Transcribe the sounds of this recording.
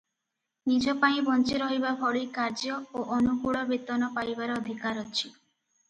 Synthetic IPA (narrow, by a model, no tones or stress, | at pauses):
nid͡ʒɔpaĩbɔnt͡ʃiɾɔɦibabʱɔɭikaɾd͡ʒɔoʔɔnukuɽɔbit̪ɔnɔpajbaɾɔɔd̪ʱikaɾɔt͡ʃʰi